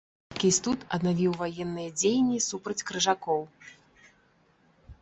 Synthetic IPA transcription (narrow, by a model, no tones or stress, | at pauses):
kʲisʲt̪ut̪ɐ̰d̪navʲiwvajɛnːɨjɐd͡zʲejnʲːisupɾɐt͡sʲkɾɨʐakɔw